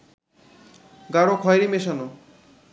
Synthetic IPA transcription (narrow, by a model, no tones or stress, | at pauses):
ɡaɽokʰɔjeɾimeʃano